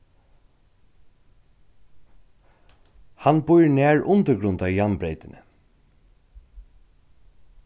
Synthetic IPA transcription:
hanbʊjɹnæːɹʔʊnt̪əɾɡɾʊnt̪ajanbɾejt̪ɪnə

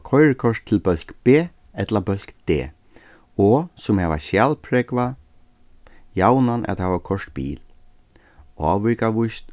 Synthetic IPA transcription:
kʰɔjɹkʰɔʂt̪ʰːɪlbœl̥kb̥eː | ɛt̪labœl̥kd̪̥ḛː | ɔsʊmhɛːʋa̰ʃjaːlpʰɾɛːkva | jawnanʔa̰t̪hɛːʋakʰɔʂt̪bḭːl | a̰ːʋɪɹkaʋʊjst̪

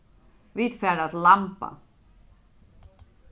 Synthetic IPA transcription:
viːd̪fæːɖat̪lampa̰

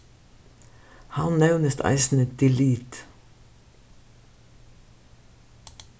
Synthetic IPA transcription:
hɑnnæʉnəst̪ʰɑ̰ɪsn̩əd̪ɪliːt̪

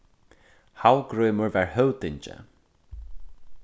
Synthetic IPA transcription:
hawɡɹɔːmʊɹvɛɹhœwt̪ɪɲt͡ʃə̰

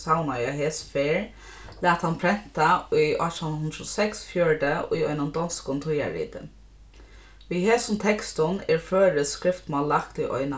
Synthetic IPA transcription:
sawnajaɦeːsfeːɹ | læːt̪hanpʰɾɛn̥t̪aʊjʔɔ̰t̪ʰanhʊnd̪ɾʊsɛksfjœɹɖəʊ̰jɔ̰ʏnʊnd̪ɔnskʊnt̪ʰʊja̰ɹḭːt̪ə̰n | ʋiːheːsʊnt̪ʰɛkst̪ʊnɛɹføːɾəskɾɪft̪maːlːakt̪ʊjʔɔ̰ʏna

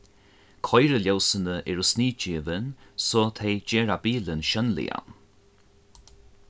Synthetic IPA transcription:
kʰɔjɾəljawsənəʔɛɹusniːd͡ʒiːvənsɔːt̪ʰejd͡ʑeːɹabiːlənʃœnlɪ̰ja̰n

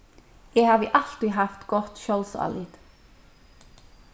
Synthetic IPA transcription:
ɛːhɑːʋəʔɑl̥t̪ɾiɦɑft̪ɡɔt̪ʃɔlsɑ̰lɪt̪

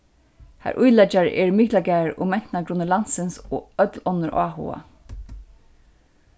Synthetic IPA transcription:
ha̰ɾʔʊjlɛt͡ʃaɹʔɛ̰ɹmiklaɡæːɹʊ̰mɛn̥t̪naɡɾʊnːəlansɪnsoːœt̪lɔnːəɹʔa̰ːɦṵa̰

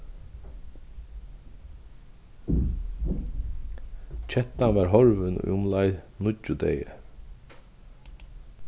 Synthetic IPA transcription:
c͡çʰɛt̪anʋɑːɾɦɔɹʋən̰ʏʊmlɑɪnʊd͡ʒʊd̪ḛɪə

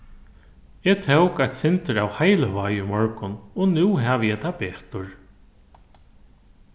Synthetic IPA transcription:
ɛt̪ʰɛwkajt̪sɪnt̪əɾawhajləvaːjʏmɔɹkʊnɔnʉːɦaʋjɛt̪ʰapeːt̪ʊɹ

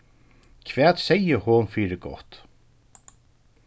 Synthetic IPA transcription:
kʰvɛːt̪sɛjəhɔnfiːɾɪɾɡɔ̰ht̪

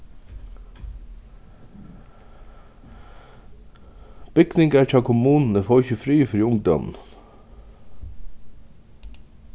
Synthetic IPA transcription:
b̥ʏɡnɪŋɡæːʈʰɑkʰʊmuːnn̩əfoːçəfɾyːfɔɾjʊŋd̪ɔ̰nn

